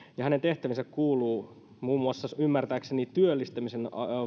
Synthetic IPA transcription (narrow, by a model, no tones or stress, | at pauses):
jɑhæne̞nt̪e̞ht̪æʋinsækkuːluː | muːmuɑsːɑymːært̪æːksenit̪yølːist̪æmisen